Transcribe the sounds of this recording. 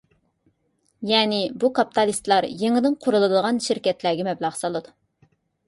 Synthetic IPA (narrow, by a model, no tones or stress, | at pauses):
jɛːnɪbukʰɑpi̥t̪ʰɑlˠist̪lˠɑɾjeŋɨd̪ɨnqʰʊɾulˠɨd̪əʁɑnʃɪɾkʲɛt̪læːɡʲɛmɛblˠɑʁsɑlˠɨd̪u